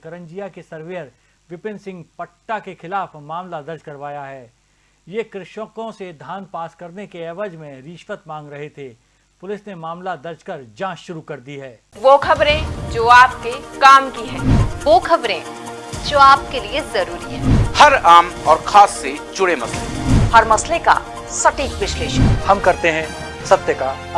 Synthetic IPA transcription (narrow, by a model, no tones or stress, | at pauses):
kɐɾə̃ɲd͡ʒijakesɐɾʋeːəɾ | ʋɪpɪ̃nsɪ̃ŋɡpɐʈːakexɪlaːfmaːmlad̪ɐɾd͡ʒkɐɾʋaːjaɦɛː | jekɾɪʃəkõsed̪ʱaːnpaːskɐɾnekeɛːʋəd͡ʒmẽɾiːʃʋət̪mãːŋɡɾɐɦet̪ʰeː | pʊlɪsnemaːmlad̪ɐɾd͡ʒkɐɾd͡ʒãːt͡ʃʃʊɾukɐɾd̪iɦɛː | ʋoːkʰɐbɾẽd͡ʒoːaːp̚kekaːmkiɦɛ̃ːʋoːkʰɐbɾẽd͡ʒoːaːp̚keliezɐɾuːɾiɦɛ̃ːhɐɾaːmɔːɾkʰaːsːed͡ʒʊɽemɐslḛhɐɾmɐsleka̰ | sɐʈiːkʋɪʃleːʃəhɐmkɐɾt̪eɦɛ̃ | sɐt̪jəkaː